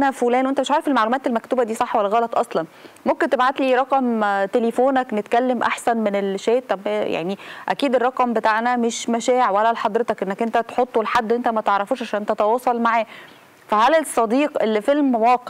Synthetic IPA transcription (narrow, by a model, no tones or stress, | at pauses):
ʔænæfolæːnwent̪meʃʕaːɾefelmaʕlumæːt̪elmækt̪uːbæd̪iːsˤɑħːwælːæɣɑlɑt̪ˤʔɑsˤlɑnmomkent̪ebʕat̪liːɾˤɑqɑmt̪elefoːnæknet̪kælːemʔaħsænmenelʃæːt̪æbæja̰ʕniʔæ̰kiːd̪erˤːɑqɑmbet̪aːʕnæmeʃmæʃæːʕwælːælħɑd̪ˤɾet̪ɑkʔenːækʔent̪æt̪ħot̪ˤːwelħad̪ːwʔent̪æmæt̪eʕɾˤːɑfuːʃʕaʃæːnʔent̪æt̪ɑwɑːsˤɑlmaʕæː | fæhælesˤːɑd̪iːqʔelːfelmwɑːqeʕ